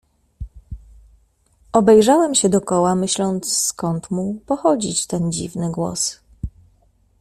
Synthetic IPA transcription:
ɔbɛjʐawɛmɕɛd̪ɔkɔwamɘɕlɔnt̪sskɔnt̪mupɔxɔd͡ʑit͡ɕt̪ɛnd͡ʑḭvnɘɡwɔ̰s

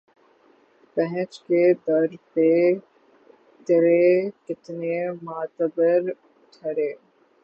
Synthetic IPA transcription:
pɛɦɛ̃t͡ʃked̪ɐɾpe | t̪əɾekɪt̪nemaːt̪əbəɾ | ʈʰɐɾeː

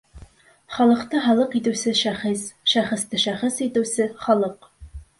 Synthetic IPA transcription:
χɑlˠɤ̆qt̪ɤɦɑlˠɤqit̪ɘ̆wsɘʃæχisʃæχɘ̆st̪ɘʃæχɤsit̪ɘ̆wsɘχɒlˠɤq

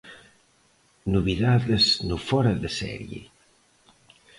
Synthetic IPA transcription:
nuβiðaðəznufɔɾaðəsɛ̰ɾjḛ

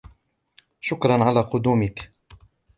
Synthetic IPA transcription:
ʃʊkɾˤɑnʕalaːqʊd̪uːmɪk

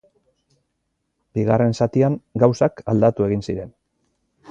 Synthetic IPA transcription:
b̥iɣare̞nsat̪iaŋɡawsakald̪at̪ue̞ɣ̞insiɾe̞n

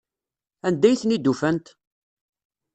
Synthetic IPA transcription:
ænd̪æjθnid̪ːufænt̪

